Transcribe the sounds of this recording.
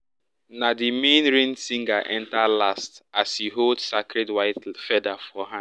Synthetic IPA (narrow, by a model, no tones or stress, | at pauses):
nadimẽnɾẽnsĩŋɡaʔɛ̃ntalastashiɦoldsakɾɛdwaɪtfɛdafɔɦã